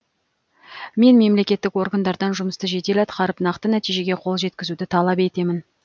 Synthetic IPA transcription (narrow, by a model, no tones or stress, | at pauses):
me̞nme̞mle̞kʲe̞t̪ːɪko̞rɡand̪ɑɾd̪ɑnʒʊməst̪əʒe̞t̪e̞let̪qʰɑɾəpnɑqt̪ənæt̪ijʒe̞ɡʲe̞qʰo̞lˠʒe̞t̪̚kʲɪzud̪ɪt̪ʰɑlˠɑpe̞t̪e̞mɪn